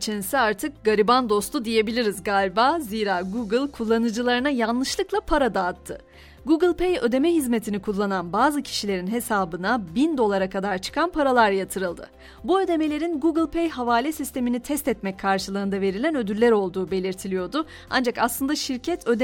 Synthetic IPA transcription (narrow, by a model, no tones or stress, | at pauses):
t͡ʃʰinisiaɾt̪ʰɯk̚ɡaɾiband̪o̞st̪ʰud̪ije̞bilʲiɾizɡalʲbaziːɾaːɡuɡɯlʲˠkʰulˠːanɯd͡ʒɯlˠaɾɯnajanlˠɯʃlˠɯklˠapʰaɾad̪aːt̪ʰːɯ̰ | ɡuɡɯlʲˠpejø̞̰d̪e̞mɛɦizme̞t̪ʰinikʰulˠːananbaːzɯcʰi̥ʃilʲe̞ɾinɦe̞saːbɯnabind̪o̞lˠaɾakʰad̪aɾt͡ʃʰɯ̥kʰanpʰaɾalˠaɾjat̪ʰɯɾɯlˠd̪ɯ̰ | buø̞d̪e̞me̞lʲe̞ɾinɡuɡɯlʲpʰejɦavaːlʲɛsist̪ʰe̞minit̪ʰɛst̪ɛt̪mɛc̚kʰaɾʃɯlˠɯːnd̪ave̞ɾilʲænø̞d̪yɾlʲæɾo̞lˠd̪uːbe̞lʲiɾt̪ʰilʲijo̞d̪ʊ | a̰nd͡ʒakaslˠɯnd̪aʃiɾcʰɛt̪ʰød̪